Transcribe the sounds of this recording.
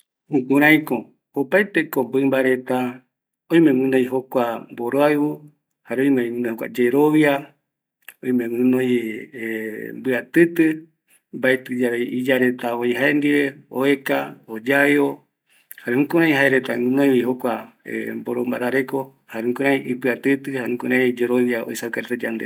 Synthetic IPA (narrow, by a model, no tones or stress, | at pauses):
hũkũɾãĩkõ | opajt̪e̞kombɨmbaɾe̞t̪a | õj̃mẽmɨ̃nõjɦokʷamboɾoajβo | haɾeojmeĩɨ̃nõhokʷa̰d͡ʒeɾoβia | õĩmẽmɨ̃nõj | mbɨat̪ɨt̪ɨ | mbaet̪ɨd͡ʒaβejid͡ʒaɾet̪aoiɦaend̪iβeoekaod͡ʒaeo | haɾehũkõɾãĩɦaeɾet̪amɨ̃nojwiɦokʷa | ḛmboɾombaɾaɾeko | haɾehũkoɾãĩʔipɨat̪ɨt̪ɨhaehũkoɾãĩd͡ʒeɾoβjao̰isawkaɾet̪ad͡ʒand̪e